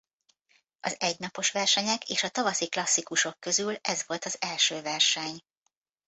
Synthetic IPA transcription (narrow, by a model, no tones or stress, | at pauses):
ʔɒzɛɟnɒpo̞ʃʋɛrʃɛɲɛkeːʃɒt̪ɒvɒsiklɒsːikuʃo̞kːø̞zylɛzʋo̞lt̪ɒzɛlʃøːvɛrʃɛɲ